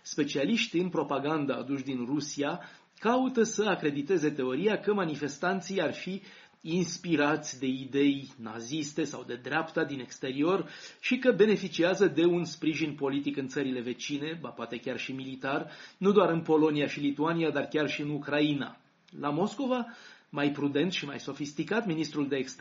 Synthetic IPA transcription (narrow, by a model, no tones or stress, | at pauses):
spe̞t͡ʃialiʃt̪iɨnpɾo̞paɡand̪a̰ːd̪uʃd̪inrusia | kaut̪əsəakɾe̞d̪it̪e̞ze̞t̪e̞o̞ɾijakəmanife̞st̪ant̪sijarfiː | nspiɾat̪sʲd̪e̞id̪e̞jna̰zist̪e̞sa̰wd̪e̞d̪ɾeapt̪ad̪ine̞kst̪e̞ɾio̞rʃikəbe̞ne̞fit͡ʃiazəd̪e̞unspɾiʒinpo̞lit̪ikɨnt̪səɾile̞ve̞t͡ʃine̞bapoat̪e̞kʲarʃimilit̪arnud̪oaɾɨnpo̞lo̞niaʃilit̪uaniad̪arkʲarʃiɨnukɾaina̰ | lamo̞sko̞vamajpɾud̪e̞nt̪ʃima̰jso̞fist̪ikat̪minist̪ɾuld̪e̞ːkst̪